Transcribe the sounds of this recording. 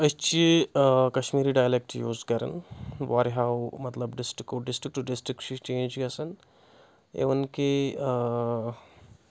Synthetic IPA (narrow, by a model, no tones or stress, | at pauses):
ɐt͡ʃekɐʃmiːɾiɖaːjlek̚ʈjuːzkɐɾɐ̰nʋaːɾɦaːwmɐt̪lɐbɖɪsʈɾikːoɖɪsʈɾik̚ʈuɖɪsʈɾikʃit͡ʃẽːnd͡ʒɡɐsɐn | ḛːʋɐnke